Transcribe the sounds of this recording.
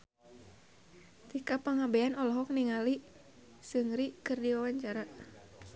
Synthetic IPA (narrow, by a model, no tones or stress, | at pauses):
t̪ikapəŋabɛanɔlɔɦɔk̚niŋali | sɨŋɾikɨrdiwawaɲt͡ʃaɾa